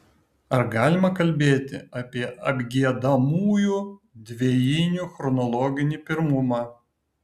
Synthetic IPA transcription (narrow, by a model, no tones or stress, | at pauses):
ɐɾɡɑːlʲɪmɐkɐlʲbʲeːt̪ʲɪ̰ɑpʲiɛʔɐbʲɡʲiɛd̪ɐmuːjuː | d̪ʲʋʲejɪnʲuxɾɔnɔlˠɔːɡʲɪnʲipʲɪɾmʊmɑː